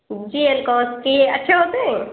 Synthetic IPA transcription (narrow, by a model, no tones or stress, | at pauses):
d͡ʒiːelkɔːskieɐtːʃʰaɦoːt̪eɦɛ̃